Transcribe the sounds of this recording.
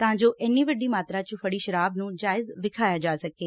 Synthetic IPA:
t̪ɐãːd͡ʒoːʔɛːniʋəɖiːmaːt̪ɾãt͡ʃũfʰəɽiːʃɐɾaːbnũːd͡ʒaːɪzʋɪkʰaːjad͡ʒaːsɐkeː

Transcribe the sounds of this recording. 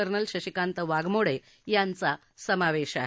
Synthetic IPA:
əɾnəlɕəɕikant̪əʋaɡmoɽe | jant͡sa | səmaʋeɕa̰ɦ

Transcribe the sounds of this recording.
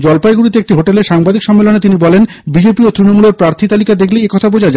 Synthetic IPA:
d͡ʑɔlpajɡuɽit̪eek̚ʈiɦoʈeleɾʃaŋbad̪ikʃɔmːelonet̪inibɔlen | bid͡ʑepiot̪ɾinomuleɾpɾaɾt̪ʰit̪alikad̪ekʰleiekɔt̪ʰabod͡ʑad͡ʑa

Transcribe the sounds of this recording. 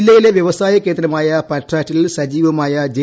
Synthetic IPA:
lːɐjileʋjɐʋɐsaːjɐkːeːnd̪ɾɐmaːjɐpɐʈʰːraːtːilsɐd͡ʑiːʋɐmaːjɐd͡ʑe

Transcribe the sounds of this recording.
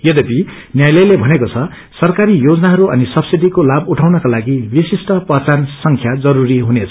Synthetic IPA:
jʌd̪ʌpi | njajlʌjlebʱʌnekot͡sʰʌ | sʌrkaɾijod͡zʌnaɦʌɾuʔʌ̰nisʌbsiʈikolabuʈʰawnʌkalaɡibisisʈʌpʌt͡sansʌŋkʰjad͡zʌɾuɾiɦunet͡sʰʌ

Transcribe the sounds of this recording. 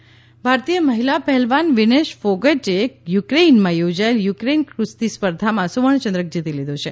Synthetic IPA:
bʱaɾt̪ijəməɦilapɛɦɛlʋanʋineʃfoɡəʈejukɾeinmãjod͡ʒaeljukɾenkɾust̪ispəɾd̪ʱamãsuʋəɳ̃t͡ʃənd̪ɾək̚d͡ʒit̪ilid̪ʱot͡ʃʰe

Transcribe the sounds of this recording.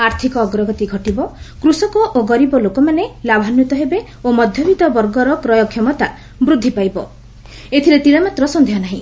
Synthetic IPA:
aɾt̪ʰikɔːɡɾɔɡɔt̪iɡʱɔʈibɔkɾusɔkɔʔoɡɔɾibɔlokɔmanelabʱanjɔt̪ɔɦebe | omɔd̪ʱjɔbit̪ɔbɔɾɡɔɾɔkɾɔjɔkʰːjɔmɔt̪a | bɾud̪ʱːipajbɔ | et̪ʰilet̪iɽɔmat̪ɾɔsɔnd̪ʱijɔnaɦḭ̃

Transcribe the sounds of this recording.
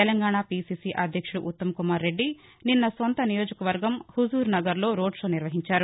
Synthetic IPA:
t̪ɛlɐŋɡaːɳaːpiːsiːsiʔɐd̪ʱjɐkʂuɽuʔut̪ːɐmɐkumaːɾːe̞ɖːi | ninːɐsont̪ɐnijoːd͡ʒɐkɐʋɐɾɡɐmhuzuːɾnɐɡɐɾlo̞ːɾo̞ːɖʂo̞ːniɾʋɐɦiɲt͡ʃaːɾu

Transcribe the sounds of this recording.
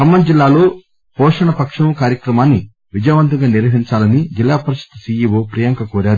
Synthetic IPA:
kɐmːɐnd͡ʒilːaːlo̞ː | pɔːʂɐɳɐpɐkʂɐmkaːɾjɐkɾɐmaːnːi | ʋid͡ʒɐjʋɐnt̪ɐŋɡaːniɾʋɐɦiɲt͡ʃaːlɐnid͡ʒilːaːpɐɾɐʃɐ̥t̪ɐsiːjiʋoːpɾijɐŋkɐkɔːɾaːɾu

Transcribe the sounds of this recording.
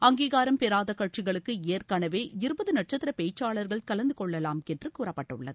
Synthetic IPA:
ɐŋɡiːɣaːɾɐmpɛɾaːðɐkɐʈ̚t͡ʃɪɣɐɭɯkːɯeːrkaːnɐʋeːɪɾɯbɐðɯnɐʈ̚t͡ʃɐt̪ːɪɾɐpeːt͡ʃːaːɭɐɾɣɐɭkɐlɐnd̪ɯkɔɭːɐlaːmɛndrɯkuːrɐpːɐʈːɯɭːɐðɯ

